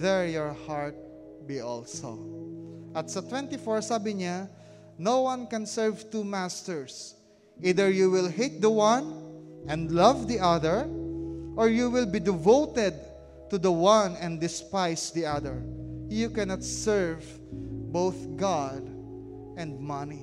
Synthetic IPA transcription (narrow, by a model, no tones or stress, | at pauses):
ðɛɹjɔɹhaɹt̪̚ | biʔɔ̰lso̰ | ʔɐt̪sɐt̪wɛ̃nt̪ifɔɹsabɪɲa | nowwãnkɛ̃nsɛɹvt̪umæst̪ɛɹs | ʔid̪ɛɹjuwɪlhit̪̚d̪əwãnʔɛ̃nd̪lʌvd̪iʔaðəɹ | ʔɔɹjuwɪlbid̪ɪvowt̪ɛd̪̚ | t̪ud̪ɐwãnɛ̃nd̪ɪspajsd̪iaðəɹjukɛnat̪sɛɹv | bowθɡad̪ | ɛ̃nd̪̚mʌni